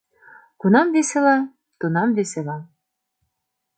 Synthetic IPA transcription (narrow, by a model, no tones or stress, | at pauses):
kunɑmdeselɑ | t̪unɑmd̪eselɑ